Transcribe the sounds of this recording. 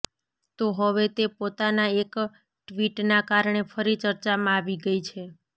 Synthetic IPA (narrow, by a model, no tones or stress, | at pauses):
t̪oɦəʋet̪epot̪anaek | ʈʋiʈnakaɾɳefʰəɾit͡ʃəɾt͡ʃamãaʋiɡəit͡ʃʰe